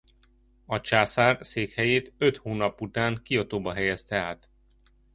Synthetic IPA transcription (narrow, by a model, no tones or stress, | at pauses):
ɒt͡ʃaːsaːrseːkhɛjeːt̪øt̪hoːnɒput̪aːŋkio̞t̪oːbɒɦɛjɛst̪ɛaːt̪